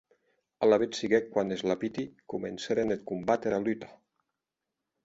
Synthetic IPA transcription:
alaβet̪siɣekwanezlapit̪ikumḛnseɾenet̪̚kumbat̪eɾalyt̪ḁ

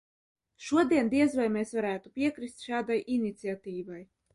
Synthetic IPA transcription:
ʃuɔd̪iɛnd̪iɛzvajmeːsvaɾæːt̪upʲiɛkɾist̪ʃaːd̪ajʔinit̪siat̪iːvaj

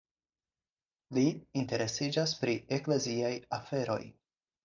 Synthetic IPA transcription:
liinte̞ɾe̞sid͡ʒaspɾiekle̞ziajafe̞ɾo̞̰j

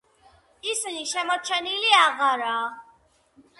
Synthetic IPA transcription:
isiniʃɛmɔt͡ʃʰɛniliaɣaɾaː

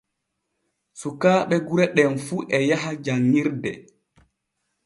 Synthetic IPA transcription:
sukaːɓɛɡuɾɛɗɛnfuʔɛjaɦad͡ʒaŋːiɾdɛ

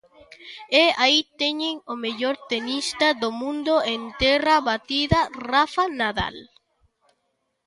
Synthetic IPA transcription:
eait̪eɲeŋomeʎoɾt̪enist̪aðomũnd̪oent̪ɛraβat̪iðarafanaða̰l

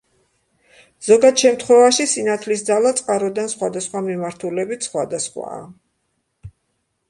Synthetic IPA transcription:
z̥ɔɡad̪ʃɛmt̪ʰχwɛvaʃisinat̪ʰlisd̪zalˠat̪sʼqʼaɾɔd̪ansχwad̪asχwamimaɾt̪ʰulɛbit̪ʰsχwad̪asχwa̰ː

